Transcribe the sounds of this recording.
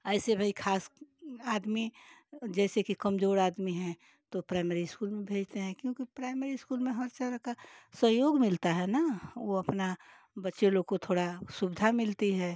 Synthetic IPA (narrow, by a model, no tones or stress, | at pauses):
ɛːsebʱaikʰaːsaːd̪mid͡ʒɛːsekikɐmzoːɾaːd̪miɦɛ̃ | t̪opɾaːɪmeːɾiskuːlmẽbʱeːd͡ʒt̪eɦɛ̃kjõːkipɾaːɪmeɾiɪskuːlmẽɦəɾt͡ʃəɾəkasəɦjoːɡmɪlt̪aɦɛnaʋoɐpna | bətːʃelokot̪ʰoːɽasʊbɪd̪ʱamɪlt̪iɦɛː